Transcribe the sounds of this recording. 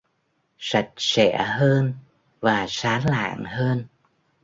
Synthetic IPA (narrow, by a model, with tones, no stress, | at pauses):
sa˨˩jk̚sɛ̰˧˩əɦəː˧n | vaː˨˩saː˨˦nla̰ː˧˨ŋhəː˧n